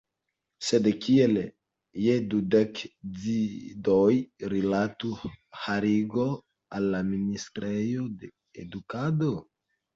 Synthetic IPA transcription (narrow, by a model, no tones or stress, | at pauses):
sedekiele | jedudekd͡zidojɾilatuhaɾiɡo | alːaministɾejode | ḛdukado